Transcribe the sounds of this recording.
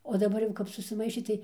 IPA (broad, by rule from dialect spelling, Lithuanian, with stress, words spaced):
oː dɐˈbɐr jɛʊ ˈkɐp sʊsʲɪˈmɐɪʃʲeː tɐɪ